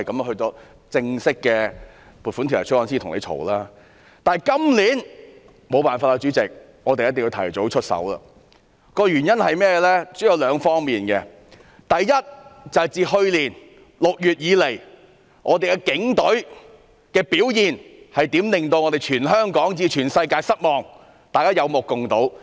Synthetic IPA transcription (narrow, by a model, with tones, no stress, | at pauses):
ɐ˨jkɐ˨˦mjhɵ˧tɔː˨˥ | t͡sɪ˧ŋsɪ˥kːɛː˧ | pu˨˩tfu˨˥nt̪ʰi˨˩ɐ̰˨˩t͡ʃʰwɔː˨˥nsiː˥t̪ʰʊ˨˩ŋnḛ˨˧jt͡ʃʰo̰˨˩wlaː˥ | t̪aː˨kɐ˥mliː˨˥n | mo˨˧wpaː˨nfaː˧ka˧t͡ʃyː˨˥t͡sɪ˨k̚ | ŋɔː˨˧t̪e˨jɐ˥t̪ɪ˨ŋji˧tʰɐ̰˨˩jt͡so˨˥wt͡ʃʰɵ˥t̚sɐ̰˨˥wlɐ̰˧ | kɔː˧jyː˨˩njɐ˥nhɐ˨jmɛː˥jɛ˧lɛː˥t͡so˨˥jɐ˨˧wlœː˨˧ŋfɔː˥ŋmiː˨˩nkɛ˧ | t̪ɐ˨jːɐ˥t̚t͡sɐ˨hɐ˨jt͡siː˨˩ɦɵ˧ɥliː˨˩n | lʊ˨k̚jyː˨t̚jiː˨˧le˨˩j | ŋʔɔː˨˧t̪e˨jkɛː˧kɪ˨˥ŋt̪ɵ˨˥ɥ | kɛː˧piː˨˥wjiː˨˩n | hɐ˨jt̪iː˨˥mlɪ˨˩ŋt̪o˧wŋɔ˨˧t̪e˨jt͡ʃʰyː˨˩nɦœː˥ŋkɔː˨˥ŋt͡siː˧t͡ʃʰyː˨˩nsɐ˧jkaː˧sɐ˥t̚mɔː˨˩ŋ | t̪aː˨kaː˥jɐ˨˧wmʊ˨kːʊ˨ŋt̪o˨˥w